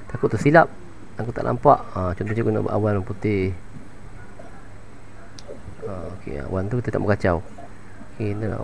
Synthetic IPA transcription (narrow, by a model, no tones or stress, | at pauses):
t̪akʊʔt̪usilap̚ | aŋkot̪a̰ʔlʔa̰mpaʔət͡ʃɔnt̪ɔot͡ʃkuna̰ʔbə̰ʔawanmput̪ɪh | aokḛa̰want̪ukit̪ət̪aʔməkat͡ʃaw | okena̰